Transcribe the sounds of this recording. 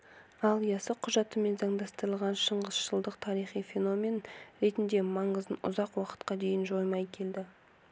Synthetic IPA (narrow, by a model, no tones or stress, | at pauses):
ɑlˠijɑsəqʰʊʒɑt̪əme̞nzɑŋd̪ɑst̪əɾəlˠʁɑnʃəɴʁəz̥ʃəlˠd̪əqt̪ʰɑɾijχijfʲe̞no̞mʲe̞nɾe̞t̪ɪnd̪e̞mɑɴəzd̪ənʔʊ̰zɑqwɑqə̥t̪qɑd̪e̞jɪnʒo̞jmɑjkʲʰe̞ld̪ɪ